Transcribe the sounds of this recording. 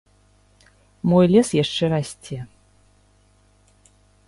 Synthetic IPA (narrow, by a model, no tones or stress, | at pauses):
mɔjlʲɛsjaʂt͡ʂɛɾasʲtʲe